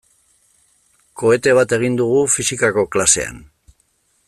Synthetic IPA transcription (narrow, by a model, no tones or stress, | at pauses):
ko̞e̞t̪e̞β̞at̪e̞ɣ̞ind̪uɣ̞ufisikako̞klase̞̰a̰n